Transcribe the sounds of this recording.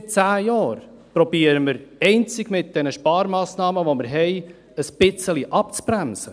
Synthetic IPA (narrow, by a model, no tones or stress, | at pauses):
t͡sæːjɑːɾ | pɾɔbiːəɾəməɾɛɪnt͡sɪɡ̥mɪt̚d̥ɛnəʃpɑːɾmɑːsnɑːməʋoməɾɦɛɪ | əsb̥ɪt͡səliʔɑp̚t͡sbɾæmsə